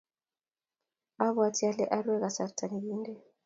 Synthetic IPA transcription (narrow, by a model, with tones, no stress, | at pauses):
a˦βwa˨tʰi˦a˦lɛ˦ʔa˦ɾwɛ˦ɣa˨sa˨rtʰa˨ni˨ɣiː˦ndɛ˨